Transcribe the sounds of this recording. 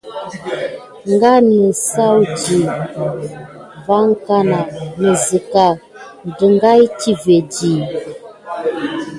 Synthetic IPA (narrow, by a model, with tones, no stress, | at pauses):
ŋ˦ɡa˦nə˨sa˦wdi˨ | va˦ŋ˦ka˦na˨nə˨zə˨ka˨ | n˨də˨ŋɡa˦jti˦ve˨di˨